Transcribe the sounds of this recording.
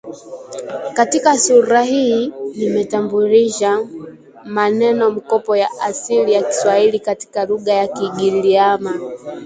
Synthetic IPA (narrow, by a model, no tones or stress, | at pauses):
katikasuɾahiːnimɛtambuliʃa | manɛnɔm̩kɔpɔjaʔasilijaki̥swahilikati̥kaluɠajakiɠiliama